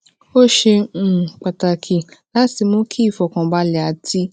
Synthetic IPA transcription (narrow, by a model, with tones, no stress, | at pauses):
o˦ʃẽ˧˨k͡pa˨ta˨kʰi˨la˨˦ti˧mũ˦kʰi˦˨fɔ˨kã˨ba˧˦lɛ˨a˨ti˧